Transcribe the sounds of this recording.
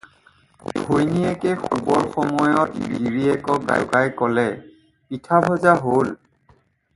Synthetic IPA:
bʱojniɛkɛxubɔɹxɔmɔjɔtɡḭɹiɛkɔɡa̰j̰kajkɔlɛ | pitʰabʱɔzaɦol

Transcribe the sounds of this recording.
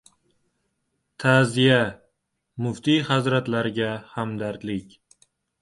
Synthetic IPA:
t̪ʰaːzija | mʊft̪ʰihazɾat̪laɾɪɡʲahamd̪aɾd̪lɪkʲ

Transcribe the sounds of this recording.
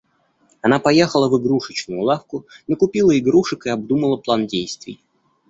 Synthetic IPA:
ɐnapɐjexəlˠəvɨɡɾuʂɨt͡ɕnʊjʊlˠafkʊnəkʊpʲilˠəɪɡɾuʂɨkɨɐb̚d̪uməlˠəplˠandʲejst̪vʲɪ̰j

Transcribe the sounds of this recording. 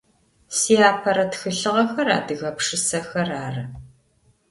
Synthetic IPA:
siːaːpʰɐɾɐtxɨɬɨʁɐxɐra̰ːdɨɣɐpʂɨsɐxɐraːrɐ

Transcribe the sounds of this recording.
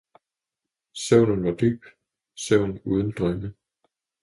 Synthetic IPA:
sœʊ̰nənʋɑ̈d̥y̰ːb̥ | søʊ̰nuːð̞ˠn̩d̥ʁœmə

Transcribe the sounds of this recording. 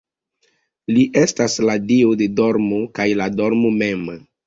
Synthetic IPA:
liʔestasladiode̞do̞ɾmokajladoɾmomem

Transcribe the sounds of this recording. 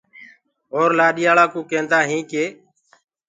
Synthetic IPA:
ɦoːɾlaːɗiːaːɭaːkũːkẽːnt̪aːɦĩːkeː

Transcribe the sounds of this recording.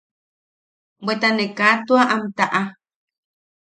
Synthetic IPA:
bwet̪anekat̪uaʔamt̪aʔa

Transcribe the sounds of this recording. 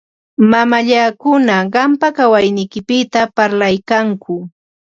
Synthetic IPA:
mamaʎakʊnaɢɑmpakawajnɪjkɪpɪt̪apaɾlajkaŋkʊ

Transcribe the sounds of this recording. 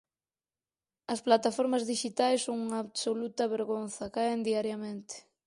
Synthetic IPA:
ɐsplat̪afɔɾmɐzðiʃit̪ajsːoŋuŋaːβsolut̪ɐβeɾɣonθɐkaend̪iaɾjɐmẽnt̪ɪ̥

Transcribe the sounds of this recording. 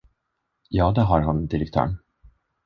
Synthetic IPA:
jɑːd̪ɛɦaɾɦand̪ɪɾɛk̚t̪ʰœ̰ːɳ

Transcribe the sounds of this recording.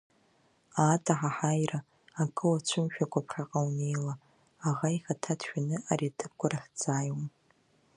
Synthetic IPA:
atʰʼaħaħajraː | kʼɨwat͡ʃʷʰʊmʃᶣakʷʰapʰχʲaqʼawne̞jlaː | ʁaiχatʰatʰʃᶣanɨaɾiatʰɨp̚kʷʼaɾaħʲd͡zaːjom

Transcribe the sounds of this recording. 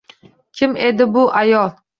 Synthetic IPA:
kʲʰɪme̞d̪ɪbʊʔajɒlˠ

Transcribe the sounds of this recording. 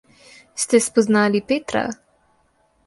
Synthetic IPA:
st̪ɛspɔznaːlipeːt̪ɾa̰

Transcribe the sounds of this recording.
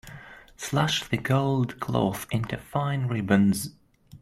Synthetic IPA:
slaʃðɨɡoʊlˠdkʰl̥o̰ʊθɪ̃ntʉfãɪ̃nɹɪbə̃nz̥

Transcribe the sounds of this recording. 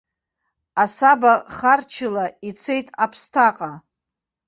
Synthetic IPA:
asabaχart͡ʃʰɪlait͡sʰe̞jtʼapʰstʰaqʼa

